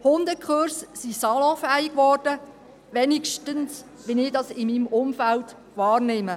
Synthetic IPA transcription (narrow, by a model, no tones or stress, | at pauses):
hʊnd̪əkχʊɾssisɑlɔ̃fæːɪɡʋɔːrd̥ə | ʋɛnikʃtəns | ʋɪnɪdɑsɪmiːmʊmfælt | ʋɑːrnɪmə